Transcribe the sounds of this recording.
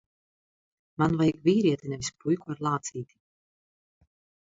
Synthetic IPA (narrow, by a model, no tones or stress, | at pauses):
manvajkviːɾiɛt̪ʲinɛvispujkuaɾlˠaːt̪siːt̪ʲi̥